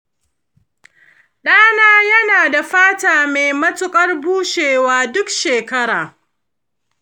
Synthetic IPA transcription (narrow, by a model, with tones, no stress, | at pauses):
ɗaː˦naː˦jɐ˦naː˨da˨ɸaː˦taː˨meː˨jmɐ˦tʊ˦kʼɐ˦rbuː˦ʃeː˨waː˦dʊ˦kʃeː˨kɐ˦ɽaː˨